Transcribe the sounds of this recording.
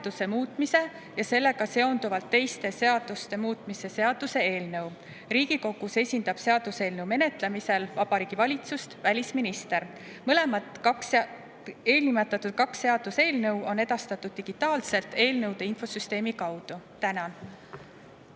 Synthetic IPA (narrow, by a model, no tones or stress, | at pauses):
d̪̥use̞muːt̪ˑmise̞ | jɑse̞lːe̞ɡ̥ɑse̞o̞nd̪uvɑlt̪ːe̞jst̪e̞se̞ɑd̪̥ust̪e̞muːt̪ˑmise̞se̞ɑd̪̥use̞eːlnɤw | riːɡ̥iko̞ɡ̥use̞sʲind̪ɑb̥se̞ɑd̪̥use̞ːlnɤwme̞ne̞t̪ˑlemise̞lvɑb̥ɑɾiːɡ̥ivɑlʲit̪sust̪vælʲisminist̪e̞ɾ | mɤle̞mɑt̪ˑks | e̞ːlnimet̪ːˑɑt̪ːˑud̪̥̚kɑksːe̞ɑd̪̥use̞ːlnɤwo̞ne̞d̪̥ɑst̪ɑt̪ːˑud̪̥̚ːiɡ̥it̪ːˑɑːlse̞lt̪e̞ːlnɤwd̪̥e̞infosyst̪e̞ːmikɑwd̪̥ut̪ænɑn